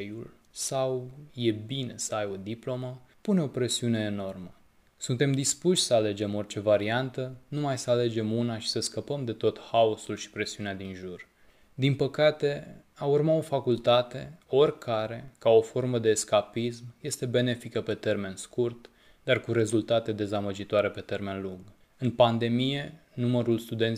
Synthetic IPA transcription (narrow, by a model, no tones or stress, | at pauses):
jul | sawje̞bine̞səajo̞d̪iplo̞məpune̞o̞pɾe̞siune̞ːno̞rmə | sunt̪e̞md̪ispuʃʲsəale̞d͡ʒe̞mo̞rʲt͡ʃe̞vaɾiant̪ənumajsəale̞d͡ʒe̞munaʃi̥səskəpəmd̪e̞t̪o̞t̪haosulʃi̥pɾe̞siunead̪inʒur | d̪inpəkat̪e̞aurmao̞fakult̪at̪e̞o̞rʲkʰaɾe̞kao̞fo̞rməd̪e̞ːskapismje̞st̪e̞be̞ne̞fikəpe̞t̪e̞rme̞nskurt̪ | d̪arkuɾe̞zult̪at̪e̞d̪e̞zaməd͡ʒit̪oaɾe̞pe̞t̪e̞rme̞nluŋɡ | ɨnpand̪e̞mije̞numəɾulst̪ud̪en